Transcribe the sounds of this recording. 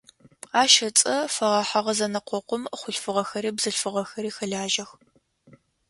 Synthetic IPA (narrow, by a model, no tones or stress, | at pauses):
aːʃɐt͡sʼɐfɐʁɑːħaʁɐzɐnɐqʷɔqʷʊmχʷʊɬfɨʁɐxɐɾiːbzɨɬfɨʁɐxɐɾiːxɐɮaːʒɐx